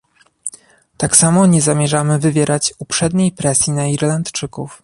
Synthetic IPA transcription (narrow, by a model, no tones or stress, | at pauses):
t̪aksamɔɲɛzamʲjɛʐamɘvɘvʲjɛɾʔat͡ɕupʂɛd̪ɲejpɾɛsʲjinaiɾlant̪t͡ʂɘkṵf